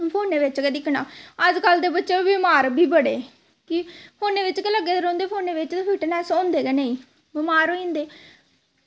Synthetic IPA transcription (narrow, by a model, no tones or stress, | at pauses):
pʰoːnːeːʋɪt͡ʃkɛːd̪ɪknaːəd͡ʒkəld̪eːbətːʃeːbɪmaːɾbiːbəɽeː | kɪpʰoːneːʋɪt͡ʃkeləɡːeːd̪ɾõːnd̪eːpʰoːnːeːʋɪt͡ʃt̪epʰiːʈnɛːsõːnd̪eːɡɛneĩː | bɪmaːɾoːĩnd̪eː